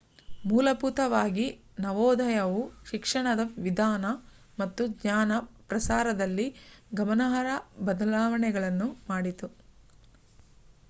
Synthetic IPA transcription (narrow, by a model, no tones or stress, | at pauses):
muːlɐput̪ɐʋaːɡi | nɐʋɔːd̪ʱɐjɐʋuʃikʂɐɳɐd̪ɐʋid̪ʱaːnɐ | mɐt̪ːuɡɲaːnɐpɾɐsaːɾɐd̪ɐlːiɡɐmɐnɐɦɐɾɐbɐd̪ɐlaːʋɐɳɛɡɐɭɐnːumaːɽit̪u